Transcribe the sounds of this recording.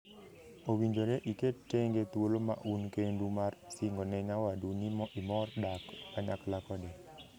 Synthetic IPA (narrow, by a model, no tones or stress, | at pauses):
owiɲd͡ʒoneʔiketːeŋɡet̪woloma̰ʔunkendumarsiŋɡonɛɲawadunimɔʔimɔrdakaɲaklakɔdɛ